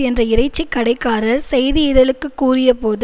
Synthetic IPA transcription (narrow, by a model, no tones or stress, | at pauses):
ɛndrɐɪɾɐɪt͡ʃːikːɐɽɐɪkːaːɾɐɾsɛjðɪɪðɐlɯkːɯkːuːrɪjɐpoːðɯ